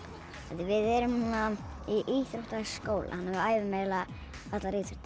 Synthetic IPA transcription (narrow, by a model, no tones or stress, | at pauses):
ɛt̪ːɪvɪðɛɾʏmuna | iʔiθɾowht̪askoːwlʔa̰hanːhɛvʏaːjvɪmɛːla | at̪laɾɪːt̪sʏ̥t̪